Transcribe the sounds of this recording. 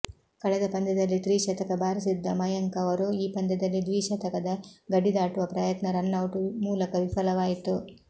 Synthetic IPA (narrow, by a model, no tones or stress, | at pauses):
kɐɭɛd̪ɐpɐnd̪ɛd̪ɐlːit̪ɾiːʃɐt̪ɐkɐbʱaːɾisid̪ːɐmɐjɐŋkɐʋɐɾuiːpɐnd̪ɛd̪ɐlːid̪ʋiːʃɐt̪ɐkɐd̪ɐɡɐɖid̪aːʈuʋɐpɾɐjɐt̪nɐɾɐnːɐwʈumuːlɐkɐʋifɐlɐʋaːjit̪u